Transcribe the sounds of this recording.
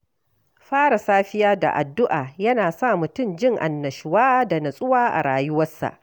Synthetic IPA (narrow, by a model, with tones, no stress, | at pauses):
ɸaː˦ɽa˨saː˦ɸɪ˦jaː˦da̰˨ʔa˨dːʊ˦ʔaː˨jɐ˦naː˨sa˦˨mʊ˨tʊ˦˨md͡ʒɪ˦˨ŋʔa̰˨nːɐ˨ʃɪ˨waː˦da˨nɐ˨sʼʊ˦waː˦ʔa̰˨ɽaː˨jʊ˦wɐ˦sːa̰˨ʔ